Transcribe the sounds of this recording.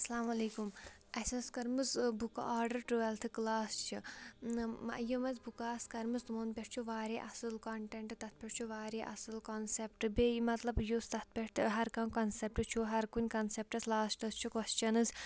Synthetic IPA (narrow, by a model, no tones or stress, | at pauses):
ɐslaːmɐleːkum | ɐsʲɐnskɐɾmɨzbuka̰ʔaːɾɖɐɾʈuɐlt̪ʰɨklaːst͡ʃʰi | jimɐzbukaːskɐɾmɨzt̪monpʲeʈ̚ʰt͡ʃʰuʋaːɾeːʔɐsɨlkɐɳʈeɳʈɨt̪ɐt̪̚ʰpʲeʈ̚t͡ʃʰuʋaːɾeːʔɐ̰sɨlkɐnsep̚ʈɨbeimɐt̪lɐbjust̪ɐt̪̚ʰpʲeʈʈ̪ɦɐɾkɐmkɐnsep̚ʈɨt͡ʃʰuɦɐɾkunʲkɐnsep̚ʈɐslaːsʈɐst͡ʃʰukɔst͡ʃɐnɨz